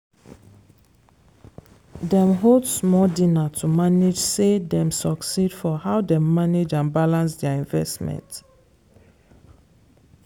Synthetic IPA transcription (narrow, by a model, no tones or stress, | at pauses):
dɛ̃mɦodsmɔdinatʰumaned͡ʒsedɛ̃msɔksid̥fɔhaʊdɛ̃mːaned͡ʒãnbalãns̬dɛaĩɱvɛstmɛ̰̃nt